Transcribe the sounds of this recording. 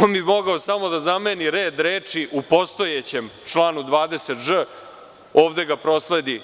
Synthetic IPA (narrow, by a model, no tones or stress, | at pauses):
onbimo̞ɡaosamo̞d̪azameniɾeːd̪ɾeːt͡ʂiʔupo̞st̪o̞jet͡ɕe̞mt͡ʂlˠaːnud̪ʋaːd̪e̞set̪ʐə | oːʋd̪e̞ɡapɾo̞sle̞d̪i